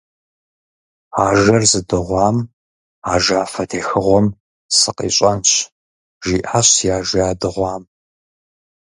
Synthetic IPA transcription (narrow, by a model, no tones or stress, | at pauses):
aːʒɐrzɨdɨʁʷɑːm | aːʒaːfɐtʰeːxɨʁʷɔm | sɨqḭːɕʼɐnɕ | ʒiːʔaɕjaːʒɪaːdɨʁʷɑːm